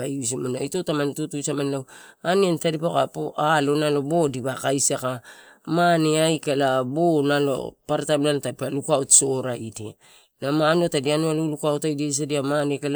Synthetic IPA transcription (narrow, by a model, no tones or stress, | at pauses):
aius̬amanaitotamantutusamanlawaniantadipakapoalo̞nalo̞bo̞diβakajsakamaneajkalabonalo̰paɾatamnalotadipalukuawtso̞ɾaidia | namanuatadianualulukawtajdiajs̬adiamanekal